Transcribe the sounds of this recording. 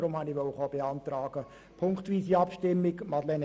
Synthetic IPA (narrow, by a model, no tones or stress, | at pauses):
ɾʊmhɑniʋɔwəχɑb̥eɑnt̪ɾɑːɡ̥ə | pʰʊŋkχt̪ʋiːsiɑpʃtɪmːɪɡmɑd̪lɛn